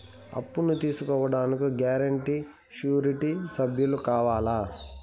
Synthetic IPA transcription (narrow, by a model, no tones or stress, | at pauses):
ɐ̰pːunut̪iːsukɔːʋɐɽaːnikuɡaːɾɐɳʈi | ʃjuːɾiʈisɐbʱjulukaːʋaːlaː